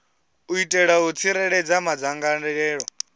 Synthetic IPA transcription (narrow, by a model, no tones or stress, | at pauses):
uitʼɛɺaut͡sʰiɾɛɺɛd͡zamad͡zaŋɡanɛɛːɺɔ